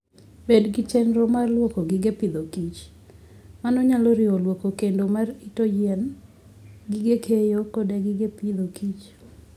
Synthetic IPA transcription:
bedɡɪt͡ʃɛnɾɔmarlwɔkoɡɪɡepid̪okit͡ʃ | manɔɲaloɾɪolwokokendomaritojɛn | ɡiɡekʰejokodeɡɪɡepid̪okit͡ʃ

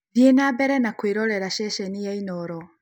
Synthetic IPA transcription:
djenabɛɾɛnakweɾɔɾɛɾaʃɛʃɛnijainɔɾɔ

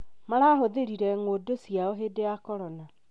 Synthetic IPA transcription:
maɾaɦoðeɾiɾɛŋodosjaɔɦedeakɔɾɔna

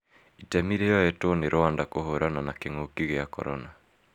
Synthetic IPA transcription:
itɛmiɾeɔjɛtoɔniɾʔɔandakoɦɔɾananakɛŋokiɣɛjakɔ̰ɾɔna

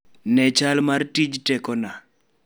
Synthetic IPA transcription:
nɛt͡ʃalmartid͡ʒtɛkɔna

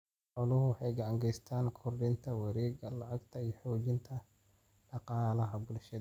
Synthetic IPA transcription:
ħɔlʊhʊwħɑjɡɐʕɑŋɡɛjst̪ʰaːnkʰɔrdɪnt̪ʰɐwɐɾiːɡɐlɐʕɐɡt̪ʰɐijħɔːd͡ʒɪnt̪ʰɐ | ɖɑqɑːɐlɐɦɐbʊlʃɐd̪

